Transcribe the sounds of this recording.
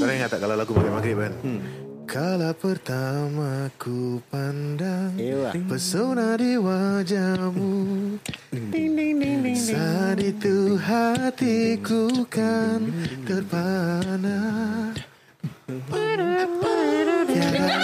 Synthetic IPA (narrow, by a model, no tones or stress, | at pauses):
oɾaŋat̪aʔkalawlaɡumaɡɾimaɡɾɪʔbankʰalapərt̪amakupandaŋpəsownadiwad͡ʒamu | sanit̪uɦat̪ikukant̪ərpana | pa | a